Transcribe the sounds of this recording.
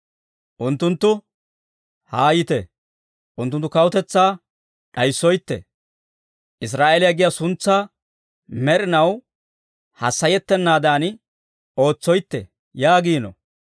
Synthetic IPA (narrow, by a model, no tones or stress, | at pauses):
ʔʊnt̪ːʊnt̪ːʊ | haːjɪt̪ɛ | ʔʊnt̪ːʊnt̪ːʊkɐwʊt̪ɛt͡sːaː | ᶑɐjsːɔjt̪ːɛ̰ | ʔɪs̬ɾaːʔelɪjɐɡɪjasʊnt͡sːaː | mɛɾɪnɐw | hɐsːɐjɛt̪ːɛnːaːd̪aːn | o̞ːt͡sːɔjt̪ːɛ̰ | jaːɡiːnɔ̰